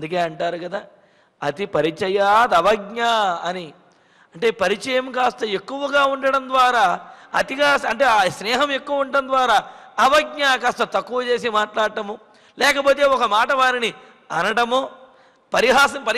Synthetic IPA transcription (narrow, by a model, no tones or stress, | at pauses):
ɐnd̪ukeːɐɳʈaːɾukɐd̪aː | ɐt̪ipɐɾit͡ʃɛjaːd̪ɐʋɐɡ̚ɲaɐni | ɐɳʈe̞ːpɐɾit͡ʃɐjɐmkaːst̪ɐe̞kːuʋɐɡaːuɳɖɐɽɐnd̪ʋaːɾaːɐt̪iɡaːɐɳʈe̞ːsnɛːɦɐme̞kːuʋɐuɳʈɐnd̪ʋaːɾaːɐʋɐɡ̚ɲakaːst̪ɐt̪ɐkːuʋɐt͡ʃe̞ːs̬imaːʈlaːɽʈɐmu | lɛːkɐpoːt̪e̞ːɔkɐmaːʈɐʋaːɾini | ɐnɐɽɐmuː | pɐɾiɦaːsɐmpɐɾ